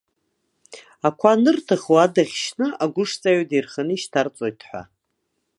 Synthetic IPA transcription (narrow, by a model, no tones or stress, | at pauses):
akʷʰanɨrtʰaχowadaχʲʃnɨaɡʷʊʂt͡sʼaɥdejrχanɨiʃtʰart͡sʼo̞jtʰħʷa̰